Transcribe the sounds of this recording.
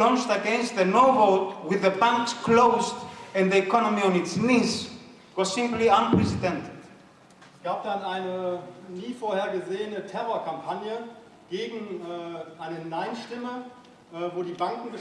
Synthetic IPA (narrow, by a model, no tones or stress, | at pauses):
lɔ̃nt͡ʃtəɡɛ̃nst̪̚ðənoʊboʊtwɪðəbãŋkskloʊztɛ̃nðiɛkʰɔnɔmiɔ̃nɪtsniːs | wɔzsɪ̃mpliãnpɹɛsidɛ̃ntʰɪd̥ | haːb̚danaɪnəniːfoːɐheːɐɡəzeːənətʰɛʁoɐkʰampʰanjə | ɡ̥eːɡŋ̩ɛːʔaɪnənaɪnʃtɪmə | ʔvoːdiːbaŋkŋ̩ɡə